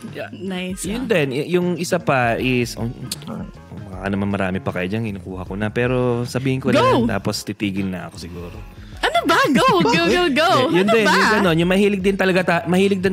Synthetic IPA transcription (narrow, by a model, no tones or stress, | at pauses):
anajsjʊnd̪ɛnjʊjʊŋʔɪsapɐʔɪsʔo | mɐŋakɐnɐmanmɐɾa̰ːmɪpɐkɐjod͡ʒankɪnukuːhɐkonɐpɛːɾo̞sɐbiːhɪnkolat̪a̰ːpost̪it̪iːɡɪlnɐʔɐ̰ko̞sɪɡuːɾo̰ | ʔɐnobaɡowɡoɡowɡowjʊnd̪ɛnjʊŋɡɐno̞njʊŋmɐhiːlɪɡ̚d̪ɪnt̪ɐlɐɡat̪amɐhiːlɪɡ̚d̪ɪn